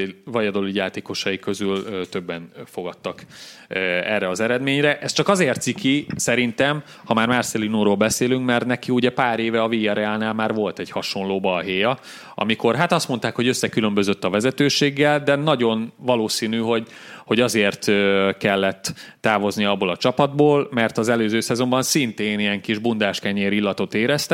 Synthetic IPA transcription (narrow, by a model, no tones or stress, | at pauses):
vɒjɒd̪o̞lijaːt̪eːko̞ʃɒjikø̞zylt̪ø̞bːɛnfo̞ɡɒt̪ːɒkː | ɛrːɛɒzɛɾɛd̪meːɲɾɛʔɛst͡ʃɒkɒzeːrt̪sikisɛɾint̪ɛm | hɒmaːrmarsɛlinuɾoːlbɛseːlyŋkmɛrt̪nɛkiuɟɛpaːɾeːvɛɒviːɒɾɛaːlnaːlmaːrvo̞lt̪ɛɟhɒʃo̞nloːbɒlɦeːjɒ | ɒ̰miko̞rɦat̪ɒst̪mo̞nt̪aːkho̞ɟøsːɛkylø̞mbø̞zøt̪ːɒvɛzɛt̪øːʃeːɡːɛld̪ɛnɒɟo̞nvɒloːsiːnyɦo̞ɟ | ho̞ɟɒzeːrt̪økɛlːɛt̪ːaːvo̞zniɒbːoːlɒt͡ʃɒpɒd̪̚boːlmɛrt̪ɒzɛløːzøːsɛzo̞mbɒnsint̪eːnijɛŋkiʒbund̪aːʃkɛɲeːɾilːɒt̪o̞t̪eːɾɛst̪ɛ